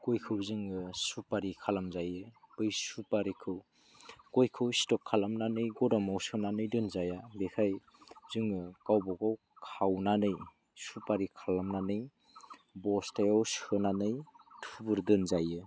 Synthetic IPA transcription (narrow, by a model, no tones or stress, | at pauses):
kojkʰɯwzɯŋɯsupaɾikʰalamzajɯpɯjsupaɾikʰɯw | kojkʰɯwistɔkʰːalamnanɯjɡɔdɔmawsɯnanɯjdɯnzajabekʰaj | zɯŋkawbɔkaw | kʰawnanɯj | supaɾikʰalamnanɯj | bɔstʰajawsɯnanɯjtʰubuɾdɯnzajɯ